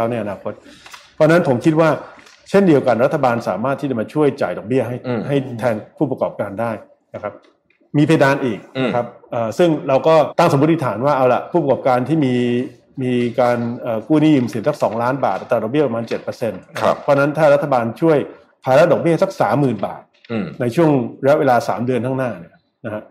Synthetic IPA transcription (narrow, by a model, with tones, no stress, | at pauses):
a˦˥˩na˧jʔa˧naː˧kʰo˦˥t̪̚pʰɔ˧˥˧na˦˥npʰo˩˦mkʰi˦˥t̪̚waː˥˩ | t͡ɕʰe˥˩ndi˧əwka˧nɾa˦t̪ʰːa˧baː˧nsa̰ː˩˦maː˥˩t̪ʰːiː˥˩t͡ɕa˨˩ma˧t͡ɕʰu˥˩əjt͡ɕaː˨˩jdɔ˨˩k̚bi˥˩əɦa˥˩jɦa˥˩jt̪ʰɛː˧npʰuː˥˩pa˧kɔː˨˩p̚kaː˧ndaː˥˩j | na˦˥kʰa˦˥p̚ | miː˧pʰaː˧daː˧nʔiː˨˩k̚na˦kʰɾa˦˥p̚ʔəː˨˩sɯ˥˩ŋɾa˧wkɔː˥˩t̪a˥˩ŋso˩˦mu˦˥t̪̚ʰːi˧˩t̪ʰaː˩˦nwaː˥˩ʔa˧wla̰˨˩pʰuː˥˩p̚ɾa˧kɔː˨˩p̚kaː˧nt̪ʰiː˥˩miː˧ | miː˧kaː˧nʔəː˨˩kuː˥˩niː˥˩u˧msi˨˩˦nsa˦˥ksɔː˩˦ŋlaː˦˥nba̰ː˨˩a˨˩t̪ɾaː˧dɔ˨˩bi˥˩pa˧maː˧nt͡ɕe˨˩t̪̚pɤː˧se˧nn˦pʰːɔ˦˧˥na˦˥nt̪ʰaː˥˩ɾa˦˥t̪ʰːa˧baː˧nt͡ɕʰu˥˩əj | pʰaː˧ɾa˦˥dɔ˨˩k̚bi˥˩˥sa˦˥k̚saː˩˦mːɯː˨˩nba̰ː˨˩t̪̚ | na˧jt͡ɕʰu˥˩əŋɾja˥weː˧laː˧sa̰ː˩˦mdɯ˧ənt̪ʰa˥˩naː˥˩ni˥˩ɐ | na˦˥kʰa˦˥ʔ